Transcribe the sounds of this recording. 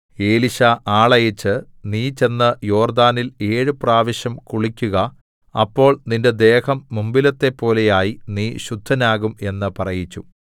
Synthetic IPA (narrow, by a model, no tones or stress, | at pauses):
e̞ːliɕɐʔaːɭɐjɐt͡ɕːɨ | niːt͡ɕe̞nːɐjo̞ːrd̪aːnile̞ːɻɨpraːʋɐɕjɐmkuɭikʲːuɣɐ | ɐpːo̞ːɭninde̞d̪e̞ːhɐmːumbilɐt̪ːe̞pːo̞ːle̞jaːjiniːɕud̪ʱːɐnaːɣume̞nːɨpɐrɐjit͡ɕːu